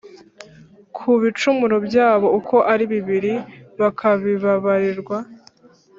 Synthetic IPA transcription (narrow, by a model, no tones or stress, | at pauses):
kʰuβit͡ʃumuɾobjaːβo̞ukʰo̞ʔaɾiβiβiɾiβakʰaβiβaβaɾiɾɡwa